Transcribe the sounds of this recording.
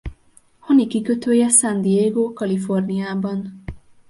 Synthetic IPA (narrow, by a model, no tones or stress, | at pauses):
hɒnikikø̞t̪øːjɛsɒnd̪ijeːɡoːkɒlifo̞rnijaːbɒn